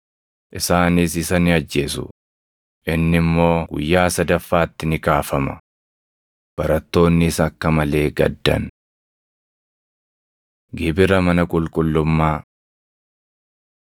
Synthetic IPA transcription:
ʔɪsaːnɪsɪsɐnɪɐd͡ʒːe̞ːsʊ̰ | ʔɪnːɪmːo̞ːɡʊ̰jːaːsɐd̪ɐfːaːt̪ːɪnɪkaːfɐmɐ̰ | b̥ɐɾɐt̪ːo̞ːnːɪsɐkːɐmɐle̞ːɡɐ̰d̪ːɐ̰n | ɡɪbɪɾɐmɐnɐkʼʊlkʼʊlːʊmːaː

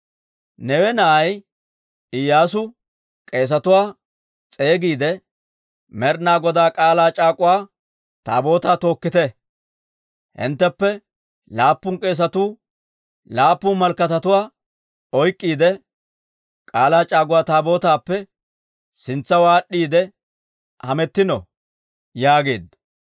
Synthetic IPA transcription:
nɛwɛnɐʔɐj | ɪjːaːsʊ | kʼe̞ːs̬ɐt̪ʊwaː | t͡sʼe̞ːɡiːd̪ɛ | mɛɾnaːɡɔd̪aːkʼaːlaːt͡ʃʼaːkʼʊwaː | t̪a̰ːbo̞ːt̪aːt̪o̞ːkːɪt̪ɛ | hɪ̰nt̪ːɛpːɛ | laːpːʊnkʼe̞ːs̬ɐt̪uː | laːpːʊnmɐlkɐt̪ɐt̪ʊwaː | ɔjkʼːiːd̪ɛ | kʼaːlaːt͡ʃʼaːɡʊwaːt̪aːbo̞ːt̪aːpːɛ | sɪnt͡sːɐwaːɗːiːd̪ɛ | hɐmɛt̪ːɪnɔ | jaːɡe̞ːd̪ɐ

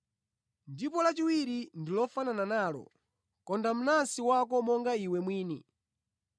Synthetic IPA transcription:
ndipɔlat͡ʃiwiɾindilɔfanananaːlɔ̰ | kɔndam̩nasiwakɔmɔŋɡaiwɛmwiːni

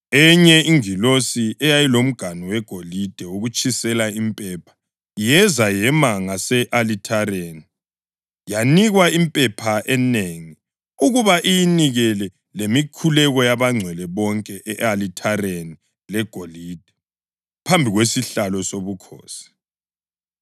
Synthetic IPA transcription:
ɛɲɛiŋilosiɛjajilom̩ɡ̥ʱanɔwɛɡ̥ʱolid̥ʱɛuɣut͡ʃʼisɛlaimpʼɛpʰḁ | jɛzajɛmaŋasɛʔalitʰaɾeni | janiɣwaimpʼɛpʰaʔɛneːŋi | uɣuβaʔijiniɣɛlɛ | lemikʰulɛɣɔjaβaŋ͡ǀʱwɛlɛβɔŋkʼɛʔɛʔalitʰareni | lɛɡ̥ʱoliːd̥ʱɛ | pʰambʱiɣwesiɬalɔsoβukʰɔ̰ːsi̥

